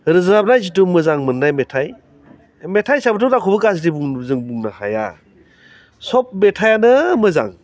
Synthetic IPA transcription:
ɾɯzɾab̚najzitumɯzaŋmɯnːajmetʰaj | metʰajsabɯtɔtakʰubɯkas̬dibuŋzɯŋbuŋnaha̰ja̰ | sɔp̚metʰajanɯmɯza̰ŋ

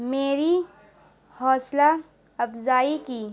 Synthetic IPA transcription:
meːɾi | hɔːsla | ɐpzaːikiː

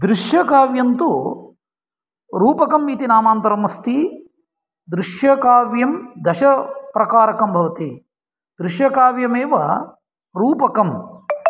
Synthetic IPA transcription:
d̪ɾiʃjɐkaːʋjɐnt̪u | ɾuːpɐkɐmːiːt̪inaːmaːnt̪ɐɾɐmɐst̪i | d̪ɾiʂjɐkaːʋjɐmd̪ɐʃɐpɾɐkaːɾɐkɐmbʱɐʋɐt̪i | d̪ɾiʃjɐkaːʋjɐmeːʋɐ | ɾuːpɐkɐm

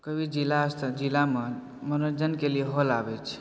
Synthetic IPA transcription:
kəbʱid͡ʒilast̪ʰd͡ʒilame | mənod͡ʒənkelieɦolabɛt͡ʃʰ

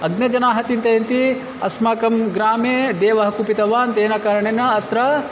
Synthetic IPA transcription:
ɐɡnɐd͡ʒɐnaːɦɐt͡ʃint̪ɐjɐnt̪i | ɐ̰smaːkɐmɡɾaːmeːd̪eːʋɐɦɐkupit̪ɐʋaːnt̪eːnɐkɐɾɐɳenɐːt̪ɾɐ

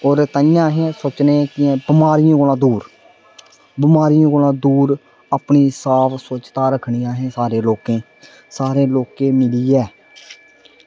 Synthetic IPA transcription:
oːɾt̪əjãːɦẽːsoːt͡ʃnẽːkɪɛ̃ːbɪmaːɾɪjãːkoːlãːd̪uːɾ | bɪmaːɾɪjãːkoːlãːd̪uːɾ | əpɳiːsaːʋsoːt͡ʃt̪aːɾəkʰɳiːaːɦẽːsaːɾeːloːkẽː | saːɾeːloːkẽːmɪliːɛː

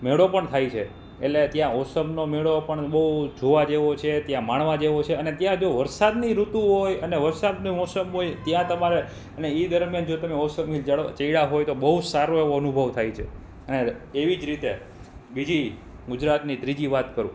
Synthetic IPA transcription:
meɭopəɳt̪ʰajt͡ʃʰe | ḛlet̪jãɔsəmnomeɭopəɳɓəɦud͡ʒʱoʋad͡ʒeʋot͡ʃʰet̪jãmaɳʋad͡ʒeʋot͡ʃʰeənet̪jãd͡ʒoʋəɾsad̪niɾut̪ũɦojəneʋəɾsad̪nimɔsəmɦojt̪jãt̪əmaɾe | əneed̪əɾmjand͡ʒot̪əmeɔsəmnid͡ʒaɽt͡ʃəiɽaɦojt̪obəɦusaɾoeʋoənubʱəʋt̪ʰajt͡ʃʰe | əneː | ʋid͡ʒɾit̪e | bid͡ʒi | ɡʊd͡ʒɾat̪nid̪ɾid͡ʒiʋat̪kəɾṵ̃

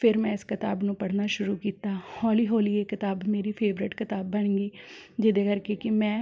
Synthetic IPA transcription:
pʰɪɾmɛ̃ːɪskɪt̪aːbnũːpəɽ̤naːʃʊɾuːkiːt̪aːhɔːliːɦoːliːeːkɪt̪aːbmeːɾiːpʰeːʋɾɪʈkɪt̪aːbːəɳɡiːd͡ʒɪd̪eːkəɾkekɪmɛ̃ː

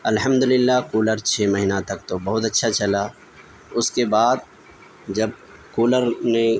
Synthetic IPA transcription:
ɐlɦəmd̪ʊlɪlːaːkuːləɾt͡ʃʰeːmɐɦinat̪ɐk̚t̪obɐɦʊt̪ɐtːʃʰat͡ʃɐlaː | ʊskebaːd̪̚ | d͡ʒɐb | kuːləɾne

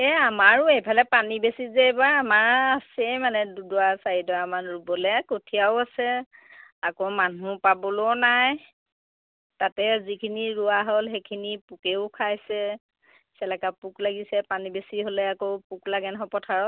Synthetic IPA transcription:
ɛamaɹʊejpʰalɛpanibesizɛebaɹamaɹasɛjmanɛdudɔasaɹidɔamanɹubɔlɛkotʰiaʊasɛ | akomanũpabɔlonaj | tatɛzikʰiniɹuaɦɔlxekʰinipukeʊkʰajsɛ | sɛlakapuklaɡisɛpanibesiɦolɛakopuklaɡɛnɦɔpɔtʰaɹɔt

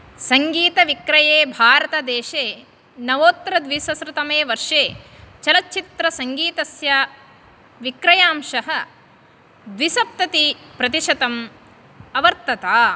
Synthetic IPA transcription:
sɐŋɡiːt̪ɐʋikɾɐjeːbʱaːɾɐt̪ɐd̪eːʃeː | nɐʋoːt̪ɾɐd̪ʋisɐsɾɐt̪ɐmeːʋɐɾʂeːt͡ʃɐlɐtːt͡ʃit̪ɾɐsɐŋɡiːt̪ɐsjɐ | ʋikɾɐjaːmʃɐɦɐ̆ | d̪ʋisɐp̚t̪ɐt̪ipɾɐt̪iʂɐt̪ɐm | ɐʋɐɾt̪ːɐt̪aː

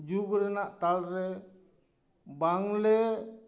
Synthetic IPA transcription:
d͡ʒuɡɾɛnaʔt̪alɾɛ | baŋlɛ

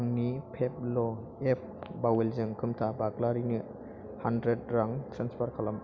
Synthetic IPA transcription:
ŋnipʰep̚lɔ | ep̚bawelzɯŋkʰɯmtʰabaklaɾini | handɾed̚ɾaŋtɾanspʰaɾkʰalam

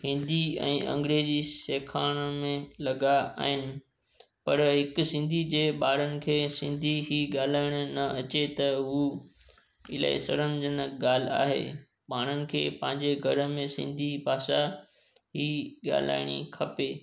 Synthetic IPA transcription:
hɪ̃nd̪iɛ̰̃ːɐ̰̃ŋɡɾeːziseːkʰaːɽ̃mẽlɐɠaa̰ːɦɪnɪ̆ | pɐɾɦɪkʊsɪ̃nd̪ʱid͡ʑeːɓaːɾənɪ̆kʰeːsɪ̃nd̪ʱiɦiɠaːl̤aːɪɽ̃ʊ̆nɐɐt͡ɕet̪ɐɦuː | ɪla̰ḛsɐɽə̃nd͡ʑənəɠaːl̤ɪa̰ːɦḛː | paːɽ̃ənɪ̆kʰḛːpɐ̃ɦɪ̃ɲd͡ʑeɡʱɐɾəmẽsɪ̰̃nd̪ʱipaːsa | ɦiːɠa̰ːl̤a̰ːɪɽ̃ḭkʰɐpeː

